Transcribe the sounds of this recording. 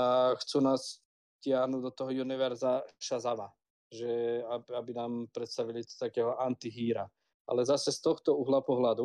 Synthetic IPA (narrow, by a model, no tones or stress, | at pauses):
axt͡suːnaːs | cɪaɦnuːɟd̪ɔt̪ɔɦɔjuniʋɛɾzaʃazama | ʒɛaabinaːmpɾɛt̪st̪aʋiliɔ̥t̪akɛːɦɔʔant̪iɦiːɾa | ʔa̰lɛzasɛst̪ɔxt̪ɔuɦlapɔɦlad̪u